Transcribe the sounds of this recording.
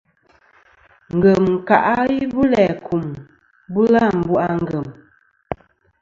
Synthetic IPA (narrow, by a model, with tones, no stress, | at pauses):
ŋ̩˨ɡə˨m˨ka˨ʔa˦i˦bu˦lɛ˨kʰu˨m | bu˦la˦˨m˨bu˦ʔa˦ŋ˦ɡə˨m